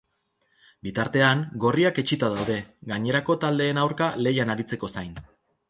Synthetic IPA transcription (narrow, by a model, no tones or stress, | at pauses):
bit̪aɾt̪e̞aŋɡo̞riake̞t͡ʃit̪aðawðe̞ɡaɲe̞ɾako̞t̪ald̪e̞ːnawɾkale̞janaɾit͡se̞ko̞sajn